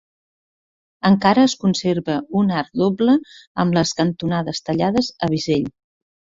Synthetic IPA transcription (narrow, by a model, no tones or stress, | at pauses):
əŋkaɾəːskunseɾβəunaɾd̪obləəmləskənt̪unaðəst̪əʎaðəzəβ̞izeʎ